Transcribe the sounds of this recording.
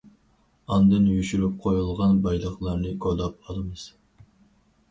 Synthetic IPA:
ɑnd̪ɨnjyʃyɾyp̚qʰojulˠʁɑnbɑjlˠəχlˠɑɾnɨɡod̪ɑp̚ɑlˠɨmɨz̥

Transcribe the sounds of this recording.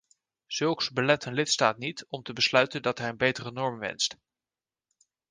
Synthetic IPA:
z̥ɵlˠksbəlɛtənlɪtstaːt̚nitɔmtəbəslœɥtəndɑtɦɛjənbejtərənɔɹmʋɛ̰nst

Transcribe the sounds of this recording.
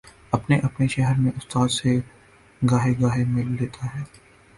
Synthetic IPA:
ɐpneʔɐpneʃɛɦəɾmẽʔʊst̪aːd̪se | ɡaːɦeɡaːɦemɪlːeːt̪ʰaɦɛː

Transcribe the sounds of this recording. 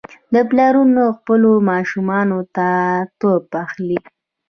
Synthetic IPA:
d̪əplɑɾunoxpəlomɑʃumɑnot̪at̪opaxli

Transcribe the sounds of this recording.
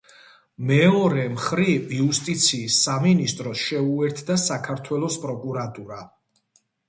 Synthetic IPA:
mɛɔɾɛmχɾiviust̪ʼit̪sʰiːsːaminist̪ʼɾɔsʃɛuɛɾt̪ʰd̪asakʰaɾt̪ʰwɛlˠɔspʼɾɔkʼuɾat̪ʼuɾa

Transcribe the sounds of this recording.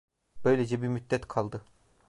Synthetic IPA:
b̥ø̞jlʲed͡ʒɛbiɾmyt̪̚ːɛt̪kʰalˠd̪ɯ

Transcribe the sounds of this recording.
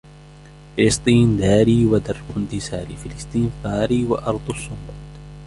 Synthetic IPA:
fɪlɪst̪ˤiːnd̪aːɾiːwad̪ɑɾˤːfʊnd̪ɪsaːlifɪlɪst̪ˤiːnfaːɾiwaʔɑɾˤd̪ˤʊsˤːʊquːt̪ː

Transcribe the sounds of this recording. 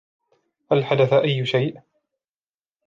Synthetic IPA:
halħad̪aθaʔajːʃajʔ

